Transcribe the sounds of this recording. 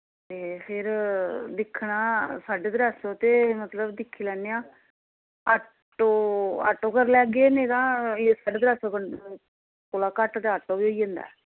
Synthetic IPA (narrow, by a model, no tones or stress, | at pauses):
t̪eːpʰɪɾd̪ɪkʰːɳaːsaːɖeːd̪əɾɛːsõːt̪eːmət̪ləbd̪ɪkʰːiːlɛːneãː | a | ʈoːa̰ːʈːoːkəɾlɛːɡeːnẽːt̪ãːsaːɖeːd̪ɾɛːsoːkə | kolaːkəʈt̪eaːʈːoːʋiːoːiːə̃nd̪a̰ː